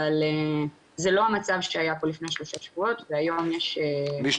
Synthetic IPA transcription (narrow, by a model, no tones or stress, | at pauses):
ale | zelo̞amat͡savʃeajapolifnejaʃlo̞ʃaʃavuo̞tveajo̞mjeʃebi